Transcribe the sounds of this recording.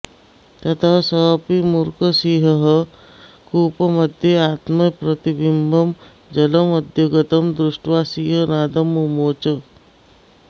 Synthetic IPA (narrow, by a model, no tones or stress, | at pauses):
t̪ɐt̪ʰasɐpimuɾkəsiːɦɐɦə | kuːpɐmɐd̪ʱjeaːt̪mɐpɾɐt̪ibimbʱɐm | d͡ʒɐlɐmɐd̪ʱjoɡɐt̪ɐmd̪ɾuʂʈʋaːsiːɦənaːd̪ɐmːumoːt͡ʃə